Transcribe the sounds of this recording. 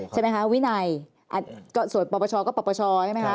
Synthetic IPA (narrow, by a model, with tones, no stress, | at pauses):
t͡ɕʰma˦˥kʰa˦˥wi˦˥na˧j | ʔa̰˨˧˩kɔː˥˩su˨˩ənpɔ˧pɔː˧t͡ɕʰɔː˧kɔː˥˩pɔː˧pɔː˧t͡ɕʰɔː˧˥˩ma˦˥jkʰa˦˥